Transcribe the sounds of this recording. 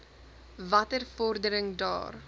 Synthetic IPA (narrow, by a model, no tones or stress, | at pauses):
vɐtərfɔrdəɾəŋdɑ̰ːr